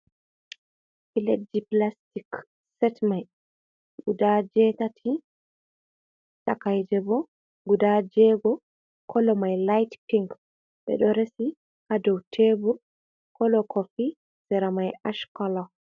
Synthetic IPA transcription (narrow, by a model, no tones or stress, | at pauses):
filediplastik | sɛtmaj | ɡudad͡ʒɛtatʰi | takajd͡ʒɛbɔ | ɡudad͡ʒɛɡɔ | kʰɔlɔmajlajtkiŋɡ | ɓɛ̰ɗɔɾesi | hadɔwtʰebu | kɔlɔkʰɔfi | sɛɾamajaʃkɔla